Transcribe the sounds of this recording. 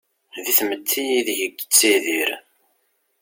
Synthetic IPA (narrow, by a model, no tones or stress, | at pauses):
ðiθmət̪ʰːijiðʝəɡːt͡sːiðiɾ